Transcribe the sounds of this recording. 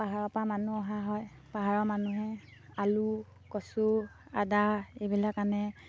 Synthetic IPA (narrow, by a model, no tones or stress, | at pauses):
paɦaɹɔpɹamanuɔɦaɦɔjpaɦaɹɔmanuɦɛalu | kɔsua̰daebilakanɛ